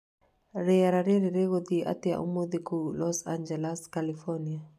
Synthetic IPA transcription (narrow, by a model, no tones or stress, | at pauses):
ɾɛaɾaɾeɾeɾeɣod̪iʔa̰tɪa̰ʔṵmod̪ikulɔsand͡ʒɛlaskalifɔnia